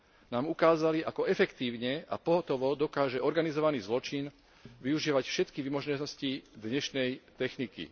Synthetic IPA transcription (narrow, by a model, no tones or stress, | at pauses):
naːmukaːzaliʔakɔɛfɛkt̪iːʊɲɛa̰pɔɦɔt̪ɔʋɔd̪ɔkaːʒɛɔɾɡanizɔʋaniːzlɔt͡ʃin | ʋiuʒiːʋacfʃɛt̪kiʋimɔʒnɔscid̪ɲɛʃnɛjt̪ɛxnikḭ